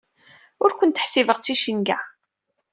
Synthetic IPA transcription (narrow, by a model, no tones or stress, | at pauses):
ʊɾkʷʊnt̪əħsivəʁt͡sːiʃənɡa